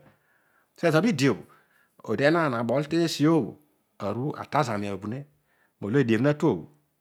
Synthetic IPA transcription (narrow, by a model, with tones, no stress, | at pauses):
se˦˨za˨bi˦˨di˨o˨bo̰˨ | o̰˨de˨˦na˦˨na˨bɔ˨˦lte˦si˨o˦˨bo̰˨ | a˨ɾu˦a̰˨ta˦za˨mi˨a˨o˨bu˨ne˦ | mo˨lo˦e˨de˨m˦na˦to˦˨bo̰˨